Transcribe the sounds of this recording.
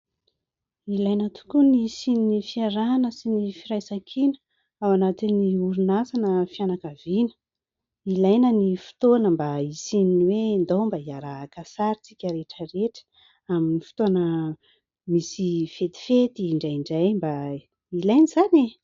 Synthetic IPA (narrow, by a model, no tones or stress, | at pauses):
ilajnət̪u̥kunisininifiaɾanəsinifiɾajsakʰinə̥ | awanat̪iniuɾunasanəfianakavinə̥ | ilajnənifi̥t̪oanəmbaisininiwend̪owmbaiaɾaakasaɾit͡sikʲəɾeʈ͡ʂəɾeʈ͡ʂə̥ | aminifi̥t̪oanə | misifet̪i̥fet̪iɳɖ͡ʐajɳɖ͡ʐajmba | ilajniz̥ane